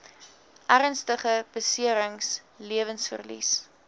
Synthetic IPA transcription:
ʔæɾənstəχəb̥əsiəɾəŋs | liəvənsfə̰rlḭs

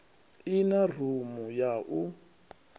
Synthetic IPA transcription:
inar̤umujaʔu

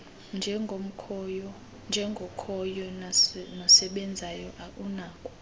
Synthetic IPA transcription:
nd͡ʒʱɛom̩kʰɔjɔ | nd͡ʒʱɛŋɡʱokʰɔjɔnɔsɛɓɛnd͡zʱajɔʔaʔunaːkʼu̥

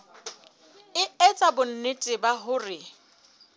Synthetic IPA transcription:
ɪɛt͡sʼabʊn̩nɪtʼɪbaɦʊrɪ

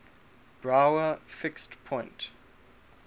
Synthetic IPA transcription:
b̥ɹaʊəfɪkstpʰɔ̃ɪ̃nt

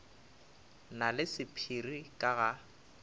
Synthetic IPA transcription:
nalɪsɪpʰirikʼaɣa

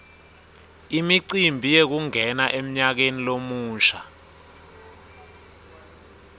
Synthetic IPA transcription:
imiǀimbʱijek̬uŋɛnaʔem̩ɲak̬enilomuːʃa

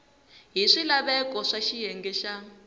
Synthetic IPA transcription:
ɦiʂilaβɛkɔʂaʃijɛŋɡɛʃa

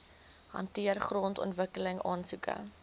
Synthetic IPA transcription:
hɐ̰ntiərχrɔːntɔ̰ntvəkələŋɑːnsukə̰

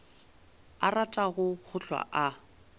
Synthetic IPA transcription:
aratʼaɣʊk͡xʰʊɬwa̰ʔa

